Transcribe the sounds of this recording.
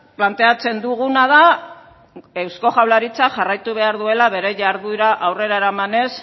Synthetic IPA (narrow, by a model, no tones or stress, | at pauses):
plant̪e̞at͡se̞nd̪uɣunað̞a | e̞wsko̞xawlaɾit͡saʝarajt̪uβ̞e̞aɾðue̞laβ̞e̞ɾe̞ʝaɾðuɾaʔawre̞ɾaeɾamane̞s